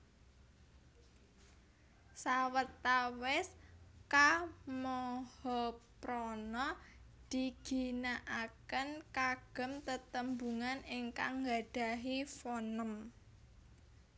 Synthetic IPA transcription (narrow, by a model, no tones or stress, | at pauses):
sawət̪awɪskamɔhɔpɾɔnɔd̪̥i̤ɡ̥i̤naʔakənkaɡ̥ə̤mt̪ət̪əmbuŋanɪŋka̰ŋŋɡad̥a̤ɦifɔnəm